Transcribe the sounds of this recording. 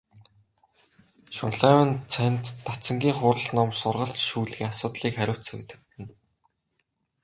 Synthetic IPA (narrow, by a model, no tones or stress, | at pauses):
ʃʊnɮæːwə̆nt͡sʰæn̥ʲt̪ːat͡sə̆ŋɡʲiːŋχʊːɾə̆ɮnɔmsʊrʁə̆ɬtʃuːɮɣeːŋasʊːt̪ɮiːkχæɾʲʊːt̪sɵ̰ɣt̪ɘ̆k̚t̪ɘ̆n